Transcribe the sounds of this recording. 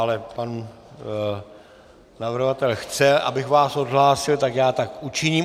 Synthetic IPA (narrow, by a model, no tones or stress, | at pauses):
alɛpan | navr̩ɦovat̪ɛlxt͡sɛʔa̰bɪxvaːso̞d̪ɦlaːsɪlt̪akjaːt̪akʔut͡ʃɪɲiːm